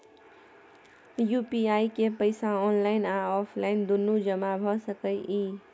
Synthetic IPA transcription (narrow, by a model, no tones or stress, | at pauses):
jupiaikepəɪsaɔːnlaɪnãɔpʰlaɪnd̪ʊnːud͡ʒəmabʱəsəkəjʔi